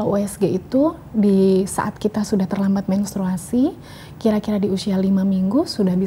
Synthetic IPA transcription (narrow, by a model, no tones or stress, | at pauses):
lauɛsɡeit̪u | disa̰ʔat̪̚kit̪asudaht̪ərlambat̪̚mɛnst̪ɾuasi | kiɾakiɾadiusialimamiŋɡusudahbi